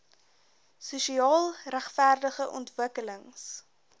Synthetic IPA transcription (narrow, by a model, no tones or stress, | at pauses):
suʃiɑːlˠræχfærdəχəʔɔntvəkələŋs